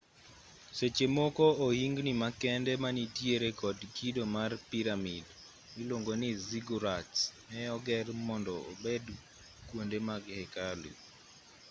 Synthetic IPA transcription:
set͡ʃemɔkɔohiŋɡnimakɛndɛmanitjeɾekɔdkidomarpiɾamid | miloŋɡoniziɡuɾatsmɛɔɡɛrmɔndɔo̰bed | kwondemaɡhɛkalḭ

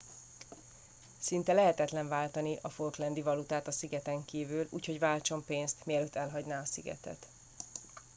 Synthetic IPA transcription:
sint̪ɛlɛɦɛt̪ɛt̪lɛɱvaːlt̪ɒniʔɒforklɛnd̪ivɒlut̪aːt̪ɒsiɡɛt̪ɛŋkiːvylṵːcho̞ɟvaːlt͡ʃo̞mpeːnst̪mijɛløːt̪ːɛlɦɒɟnaːɒsiɡɛ̰t̪ɛ̰t̪

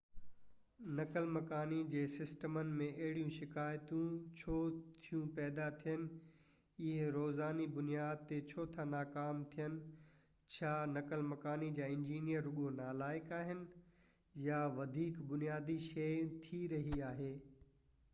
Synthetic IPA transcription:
nɐkəlmɐkaːnid͡ʑeːsɪsʈəmənɪ̆mẽʔɐɦɪɽijũʃɪkaːjt̪ũt͡ɕʰoːt̪ʰijũpɛːd̪at̪ʰijənɪ̆ | ɪɦɾoːzaːnibʊnijaːd̪̚t̪et͡ɕʰoːt̪ʰanaːkaːmt̪ʰijənɪ̆ | t͡ɕʰaːnɐkəlmɐkaːnid͡ʑaːɪ̃ɲd͡ʑiːnijəɾːʊɠonaːlaːɪkaːɦɪnɪ̆ | jaʋɐd̪ʱiːkbʊnijaːd̪iʃɐj̃t̪ʰiɾɐɦiaːɦeː

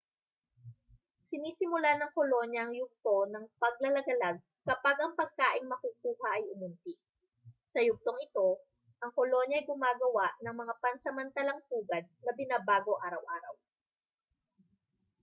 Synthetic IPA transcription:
sɪniːsɪmʊlanɐŋkolo̞njɐʔɐŋjʊk̚t̪o̞nɐŋpɐɡ̚lɐlɐɡɐlaɡ̚ | kɐpaɡʔɐŋpɐɡ̚kaːʔɪŋmɐkuk̚uːhɐʔɐjʔʊmʊnt̪iʔ | sɐjʊk̚t̪oŋɪt̪o̞ | ʔɐŋkolo̞ɲjɐɐjɡʊmaːɡɐwaʔnɐŋmɐŋapɐnsɐmɐnt̪ɐlɐŋp̪uːɡɐd̪̚nɐbɪnaːbaːɡo̞ʔaːɾɐwʔaːɾɐw

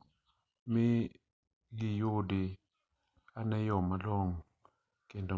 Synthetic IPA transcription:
mi | ɡijodi | anɛjɔmalɔŋ | kendɔ

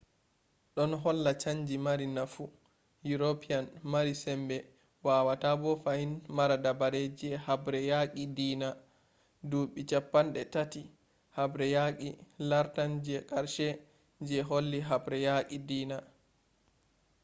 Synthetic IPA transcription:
ɗɔnɦɔlːat͡ʃaɲd͡ʒimaɾinafu | juɾopʰijanmaɾisɛmbɛ | waːwatabɔfahinmaɾadabaɾed͡ʒiɛhabɾɛjakidiːna | duɓit͡ʃapːanɗɛtati | habɾɛjakilaɾtand͡ʒɛkʼaɾʃɛ | d͡ʒɛɦolːiɦabɾɛjakidiːna

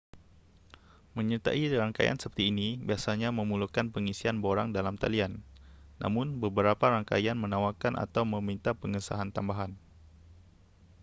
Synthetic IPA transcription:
məɲət̪a̰ʔiɾaŋka̰ja̰nsəpərt̪iːnibiasaɲaməmulukanpəŋisianboɾaŋdalamt̪a̰lianːa̰mʊnbəbəɾapaɾaŋka̰janmənawakanʔa̰t̪awməmint̪apəŋəsa̰ɦant̪ambaɦan

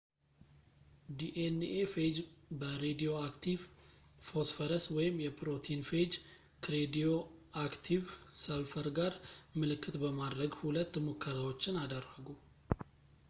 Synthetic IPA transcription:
d̪iʔenefed͡ʒbəɾed̪ijo̞akt̪ʰivfo̞sfəɾəswɔjɪmːjɛpɾo̞t̪ʰinfed͡ʒ | kɾed̪io̞akt̪ʰivsəlfəɾɡaɾmɨlɨkʰːɨt̪bəmad̪ɾəɡhulət̪ːmokʰːəɾawo̞t͡ʃːɪnad̪ərːəɡu

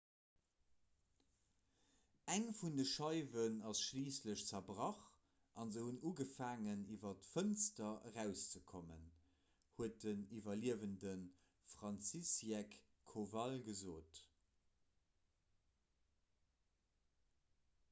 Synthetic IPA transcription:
æŋfundəʃɑɪvənɑsʃliːsləɕt͡sɐbʁɑχ | ʔɑnzəhunuːɡəfaːŋənivɐtfənstɐəʁæʊst͡səkʰomə̰n | huət̚dənivɐliəvəndən | fʁɑnt͡sisjɛkʰː | ovɑlɡəzoːt

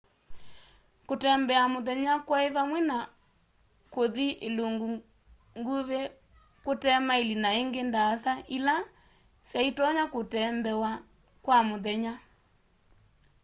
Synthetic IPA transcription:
kotɛːmbɛamoðɛɲakwaeðamwɛna | koðiʔeloŋɡu | ŋɡuβe | kotɛmaelinaeŋɡendasaila | sjaitɔɲakotɛmbɛwa | kwamoðɛɲa

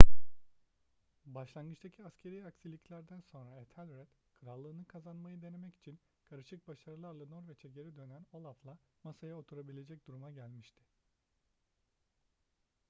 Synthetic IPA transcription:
baʃlˠanɡɯt͡ʃt̪ʰacʰiascʰe̞ɾijaksilʲːiclʲæɾd̪ænso̞nɾaɛt̪ʰalʲɾɛd̪̥kʰɯɾalˠːɯːnɯkʰazanmajɯd̪e̞ne̞mɛci̥t͡ʃʰin | kʰaɾɯʃɯk̚baʃaɾɯlˠaɾlˠano̞ɾvɛt͡ʃʰe̞ɟʰe̞ɾid̪ø̞næno̞lˠaflˠamasajao̞t̪ʰuɾabilʲe̞d͡ʒɛc̚d̪̥uɾumaɟælʲmiʃt̪ʰɪ̥

